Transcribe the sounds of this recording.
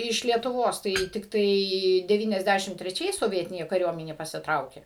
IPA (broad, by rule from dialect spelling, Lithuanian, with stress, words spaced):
ɪʃ lʲiɛtʊˈʋoːs tɐɪ tʲɪkˈtɐɪ dʲɛˌʋʲiːnʲɛzʲˈdʲæʃʲɪm tʲrʲɛˈt͡ʃʲɛɪs soːˈʋʲiɛtʲɪnʲeː kɐˈrʲuɔmʲɛnʲeː pɐsʲɪˈtrɐʊkʲeː